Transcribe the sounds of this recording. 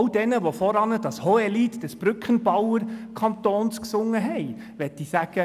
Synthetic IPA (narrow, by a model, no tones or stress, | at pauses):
ld̥ɛnəʋofɔɾɑnəd̥ɑshɔɛlitd̥ɛsb̥ɾʏkχənb̥ɑwəɾkʰɑnt̪oːnsksʊŋːəɦɛɪ | ʋɛtːisæɡ̥ə